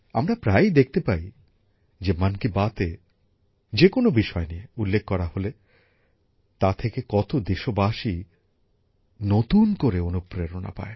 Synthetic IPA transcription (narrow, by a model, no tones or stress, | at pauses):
a̰mɾapɾajd̪ek̚ʰt̪epai | d͡ʑemankibat̪e | d͡ʑekonobiʃɔenieulːekʰːɔɾahole | t̪at̪ʰekekɔt̪od̪eʃobaʃi | not̪unkoɾeonupɾeɾona̰pa̰e